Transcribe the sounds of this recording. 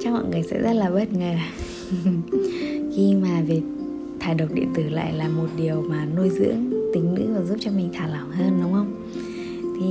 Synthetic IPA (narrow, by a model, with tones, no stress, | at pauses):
t͡ɕa˦˧˥k̚mɔ̰˧˨jŋɨ˨˩əjsɛ̰˧˥zə˦˥t̚laː˨˩ɓə˦˥t̚ŋəː˨˩ | xi˧maː˨˩vi˨˩k̚ | t̪ʰaː˨˩jɗə˨˩wk͡p̚ɗḭ˧˨ənt̪ɨ˧˩la̰ː˧˨jlaː˨˩mo˨˩t̚ɗi˨˩əwmaː˨˩nu˧jzɨ̰˧˥əŋt̪ï˨˩˦ŋ̟nɨ̰˧˥vaː˨˩zu˦˥p̚t͡ɕɔ˧mï˨˩ŋ̟t̪ʰaː˧˩lə˨˧˩ŋ͡mɦəː˧nɗʊ˨˦wŋ͡mhə˧wŋ͡m | t̪ʰi˨˩